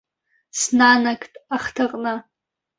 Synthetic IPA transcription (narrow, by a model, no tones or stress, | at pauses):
snanakʰʼtʼaχtʰaqʼna